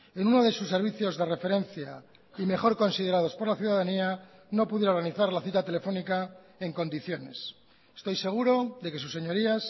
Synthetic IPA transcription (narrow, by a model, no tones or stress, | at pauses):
enunoðe̞susːe̞ɾβ̞iθjo̞zðe̞re̞fe̞ɾẽ̞nθja | ime̞xo̞ɾko̞nsiðeɾað̞o̞spo̞ɾlaθjuðaðania | no̞puðjeaoɾɣ̞aniθaɾlaθit̪at̪e̞le̞fo̞nika | e̞ŋko̞nd̪iθjo̞ne̞̰s | e̥st̪o̞jse̞ɣ̞uɾo̞ðe̞ke̞susːe̞ɲo̞ɾias